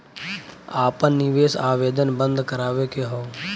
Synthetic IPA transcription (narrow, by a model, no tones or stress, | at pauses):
aːpənnɪʋeːsaːʋeːd̪ənbə̃nd̪kəɾaːʋekeɦoː